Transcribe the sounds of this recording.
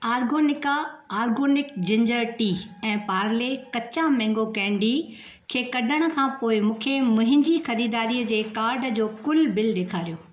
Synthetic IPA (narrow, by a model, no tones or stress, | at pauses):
aːɾɡoːnɪkaaːɾɡoːnɪkd͡ʑɪ̃ɲd͡ʑəɾʈiːɛ̃ːpaːɾlekɐt͡ɕãmɛ̃ːŋɡokɛ̃ːɳɖi | kʰeːkɐɗʱəɽ̃ə̆kʰãːpoːɪmũːkʰemʊ̃ɦɪ̃ɲd͡ʑixɐɾiːd̪aːɾiəd͡ʑeːkaːɾɖd͡ʑoːkʊlbɪlɗeːkʰaːɾijoː